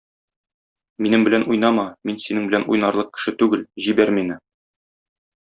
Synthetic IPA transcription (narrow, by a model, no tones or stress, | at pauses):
minɘmbɘ̆lænʔujnɑmɑminsinɘŋbɘ̆ænʔṵjnɑɾlˠɤq̚kɘ̥̆ʃɘt̪ʉɡɘlʑibæɾminɘ